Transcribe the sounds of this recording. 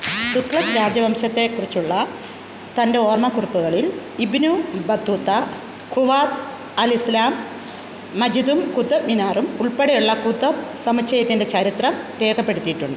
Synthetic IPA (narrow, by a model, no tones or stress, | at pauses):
t̪ukɭɐt̪ɾaːd͡ʑjɐʋɐmɕɐt̪ːe̞kːurit͡ɕːuɭːɐ | t̪ɐnde̞o̞ːrmɐkurupːuɣɐɭil | ibnubɐd̪ʱːut̪ːɐ | kuʋaːt̪ | ɐlislaːmː | ɐd͡ʑiðumkud̪ɐminaːrumuɭpeɽejuɭːɐkud̪ːɐsɐmɐt͡ɕɕɐjɐt̪ːinde̞t͡ɕɐɾit̪rɐmʋe̞ːkɐpːe̞ɽut̪ːijiʈːuɳɖɨ